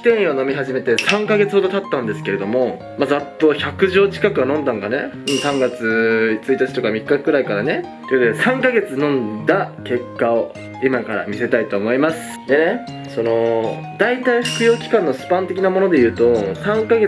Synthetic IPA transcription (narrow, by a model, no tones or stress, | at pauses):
t̪ẽ̞ɰ̃ono̞mʲiɦaʑime̞t̪e̞sãŋkaɡe̞t͡sɨho̞d̪o̞t̪at̪ːãnd̪e̞sɨ̥ke̞ɾe̞d̪o̞mo̞ | mazat̪ːo̞çakɯ̟ʑoːt͡ɕi̥kakɯ̟anõ̞nd̪ãŋkane̞̰ | ɯ̃sãŋɡat͡sɨt͡sɨit̪at͡ɕi̥t̪o̞kamʲikːakɯ̟ɾaikaɾane̞okot̪od̪e̞sãŋkaɡe̞t͡sɨnõ̞nd̪ake̞kːao̞ | imakaɾa̰mʲise̞t̪ait̪o̞ːmo̞imasɨ̥d̪e̞ne̞ | so̞no̞ | d̪ait̪aiɸɯ̟̥kɯ̟jo̞ːkʲi̥kãnːo̞sɨ̥pãnt̪e̞kʲinamo̞no̞d̪e̞jɯ̟ːt̪o̞sãŋkaɡe